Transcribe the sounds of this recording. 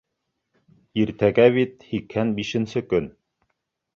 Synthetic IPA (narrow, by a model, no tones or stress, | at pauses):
iɾt̪æɡæβit̪hikhænbiʃɘ̆nsɘkɵn